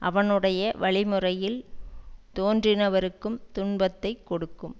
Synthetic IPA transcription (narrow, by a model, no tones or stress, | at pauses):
ʔɐ̰ʋɐnɯɽɐjɐʋɐɭɪmɯrɐjɪl | t̪oːndrɪnɐʋɐɾɯkːɯmt̪ʊɳbɐt̪ːɐɪkːɔɽɯkːɯm